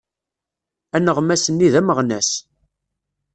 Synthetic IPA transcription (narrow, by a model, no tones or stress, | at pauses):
ænəʁmæsənːiðæməʁnæs